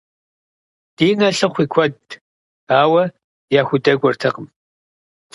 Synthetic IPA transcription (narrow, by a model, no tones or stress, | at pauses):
d̥iːnɐɬɨχʷiːkʷʰɔd | aːwɐ | jaːxʷʊdɐɡʷɔrtʰɐqəm